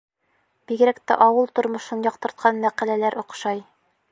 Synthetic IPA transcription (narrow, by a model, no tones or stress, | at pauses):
b̥iɡɘ̆ɾækt̪æ̰ʔɒwɤlˠt̪ŏɾmŏʃɤnjɒq̚t̪ɤ̆ɾt̪̚qʰɑnmæqælælæɾʔŏqʃɑj